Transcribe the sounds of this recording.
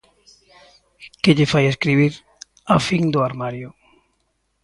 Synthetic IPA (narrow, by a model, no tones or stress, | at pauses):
kɪʎɪfajeskɾiβ̞iɾ | afiŋd̪ʊaɾmaɾjʊ